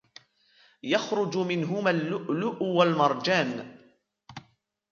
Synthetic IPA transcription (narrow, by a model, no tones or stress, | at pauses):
jɑxɾˤʊd͡ʒʊmɪnɦʊmaːlːʊʔlʊʔwalmɑɾˤd͡ʒaːn